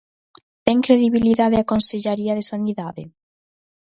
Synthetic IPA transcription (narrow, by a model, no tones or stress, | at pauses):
t̪ɛŋkɾeðiβiliðaðɪakonseʎaɾiɐðesaniðaðɪ̰